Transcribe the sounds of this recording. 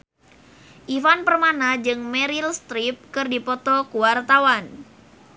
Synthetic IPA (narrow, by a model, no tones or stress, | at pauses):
ʔifanpərmanad͡ʒɨŋmɛɾilst̪ɾip̚kɨrdipɔt̪ɔkuwart̪awan